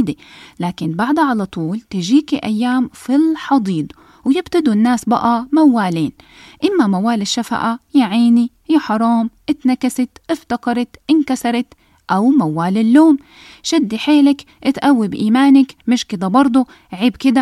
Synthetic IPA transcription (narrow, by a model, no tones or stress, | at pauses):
d̪elaːkɪnbaʕd̪ʕalat̪ˤuːlt̪ɪʒiːkiʔa̰jːaːmfilħɑd̪ˤiːd̪ | wjɪbt̪ad̪unːaːsba̰ʔamawːaːliːn | ʔɪmːamawaːlɪʃːafa̰ʔajaʕiːni | jaħɑɾˤɑːmʔɪt̪nakasɪt̪ʔɪft̪ɑqɑɾˤɑt̪ʔɪnkasɑɾˤɑt̪ | ʔawmawːaːlɪlːoːm | ʃɪd̪ːiħeːlak | ʔɪt̪ʔawːibʔiːmaːnɪkmɪʃkɪd̪abɑɾˤd̪ˤu | ʕiːbkɪd̪a